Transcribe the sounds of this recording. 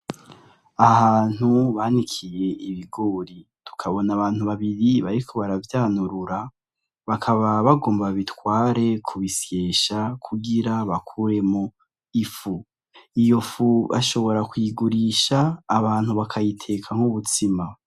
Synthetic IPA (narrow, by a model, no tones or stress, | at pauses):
ahaːn̥uβaːnikʰije̞iβiɡoɾitu̥kʰaβo̞naβaːn̥huβaβiɾiβaɾikʰo̞βaɾavjaːnuɾuɾa | βakʰaβaβaɡo̞ːmbaβitwaːɾe̞kʰuβisje̞ːʃakʰuɡiɾaβakʰuɾe̞mo | ifu | ijo̞fuβa̰ʃo̞βo̞ɾakwiɡuɾiʃaːβaːn̥huβakʰajitʰe̞kʰaŋ̥huβutima